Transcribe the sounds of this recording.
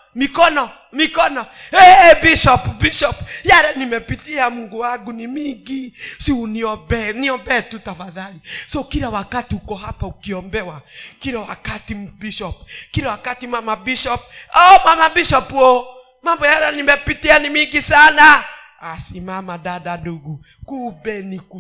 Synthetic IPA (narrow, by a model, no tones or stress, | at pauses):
mikɔnɔ | mikɔnɔɛbiʃɔpbiʃɔpjaɾɛnimɛpitiamuŋɡuwaɡunimiŋɡisiuniɔbɛniɔmbɛːtutafaðalisɔkiɾawakatiukɔɦapaukiɔmbɛwakiɾawakatibiʃɔp̚kiɾawakatimamabiʃɔp̚ɔmamabiʃɔpo | mambɔjaɾɛnimɛpitianimiŋɡisana | asimamaɗadaduɡu | kubɛniku